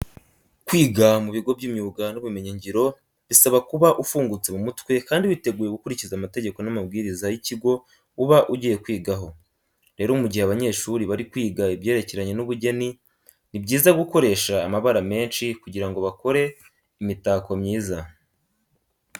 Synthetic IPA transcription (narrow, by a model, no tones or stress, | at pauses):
kwiːɡamuβiɡo̞bɟimɲuːɡanuβume̞ɲeɲɟiɾo̞ | βisaβakuβaʔufuːŋɡut͡se̞mumutwe̞kaːndiβite̞ɡuːjeɡukuɾicizamate̞ɟe̞ko̞namab̚ɡiːɾizajiciɡo̞ | uβaʔuɟije̞kwiːɡaɦo̞ | ɾe̞ːɾoumuɟiheaβaɲe̞ʃuɾiβaɾikwiːɡaibɟe̞ːɾe̞ce̞ɾaɲe̞nuβuɟe̞ni | nibɟiːzaɡuko̞ɾe̞ʃaːmaβaɾame̞ːnʃikuɟiɾaŋɡo̞βako̞ɾe̞ | imitaːko̞mɲiːza